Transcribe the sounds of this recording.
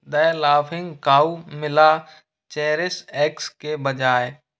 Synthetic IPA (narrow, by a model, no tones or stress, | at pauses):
d̪əlaːfʰɪ̃ŋɡkaːumɪla | t͡ʃɛːɾɪsɛːkskebəd͡ʒaːe